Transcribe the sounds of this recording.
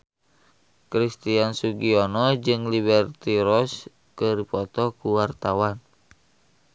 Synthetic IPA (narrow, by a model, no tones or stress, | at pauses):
kɾist̪iansuɡiɔnɔd͡ʒɨŋliβɛrt̪iɾɔs | kəɾipɔt̪ɔkuwart̪awan